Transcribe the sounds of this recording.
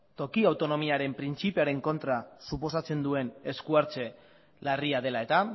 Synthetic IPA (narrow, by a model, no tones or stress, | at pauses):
t̪o̞kiawt̪o̞no̞miaɾe̞mpɾint͡sipe̞aɾe̞ŋko̞nt̪ɾasupo̞sat͡se̞nd̪ue̞ne̞skuaɾt͡se̞ | lariað̞e̞lae̞t̪a